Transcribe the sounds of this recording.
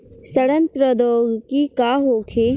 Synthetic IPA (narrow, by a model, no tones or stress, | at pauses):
sɐɽə̃nt̪ɾəd̪oːɡkikaːɦoːkʰe